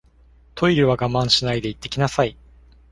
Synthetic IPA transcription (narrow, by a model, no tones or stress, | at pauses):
t̪ʰo̞iɾɯβaɡamãɰ̃ɕinaid̪e̞it̪ːe̞kʲinasai